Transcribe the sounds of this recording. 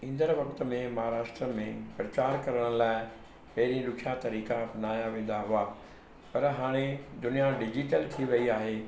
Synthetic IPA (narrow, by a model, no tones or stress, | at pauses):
ĩːn̆d̪əɾʋɐkt̪̆mẽmɐɦaːɾaːʃʈɾəmẽpɾɐt͡ɕaːɾkɐɾəɽ̃laːɪ | pɐɦɪɾĩɾʊkʰjat̪ɐɾiːkaɐpnaːjaʋẽːn̆d̪aɦʊa | pɐɾɦaːɽ̃ed̪ʊnijaɖɪd͡ʑiʈəlt̪ʰiʋɐiaːɦeː